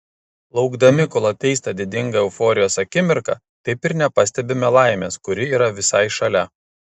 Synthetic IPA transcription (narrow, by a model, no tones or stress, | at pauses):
lˠɒʊɡd̪ɐmʲɪkɔlˠɐt̪ʲɛɪst̪ɐd̪ʲɪd̪ʲɪŋɡɐɛʊfoːɾʲɪjoːsɐkʲɪmʲɪɾkɐ̰ | t̪ɐɪpɪɾnʲɛpɐsʲt̪ʲɛbʲɪmʲɛlˠɑˑɪmʲeːskʊɾʲɪiːɾɐʋʲɪsɐɪʃɐlʲɛ